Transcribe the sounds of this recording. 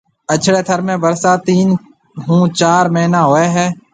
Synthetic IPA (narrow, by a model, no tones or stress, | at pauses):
ət͡ʃʰɽeːt̪ʰəɾmẽːbəɾsaːt̪iːn | ɦũːt͡ʃaːɾməɦnãːɦoːɛːɦɛː